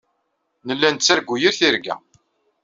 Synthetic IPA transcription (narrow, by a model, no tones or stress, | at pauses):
nəlːænt͡sːæɾɡʷːujiɾθiɾɡæ̰